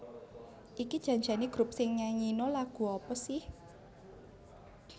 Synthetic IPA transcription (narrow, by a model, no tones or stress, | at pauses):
ʔikid̥ʒ̥ä̤ɲd͡ʒa̤niɡ̥ɾʊp̚sɪŋɲaŋinolaɡ̥ṳɔpɔsɪh